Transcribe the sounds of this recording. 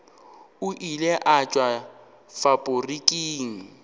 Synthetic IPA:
ʊʔilɛʔat͡ʃʼwa | fapʼʊrikʼiːŋ̩

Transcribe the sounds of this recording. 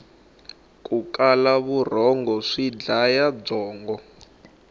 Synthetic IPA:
k̬ʼukʼalaβur̤ɔŋɡɔʂid͡ɮajab͡ʐɔːŋɡɔ

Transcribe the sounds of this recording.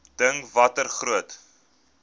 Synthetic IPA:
d̥əŋvɐtərχruət

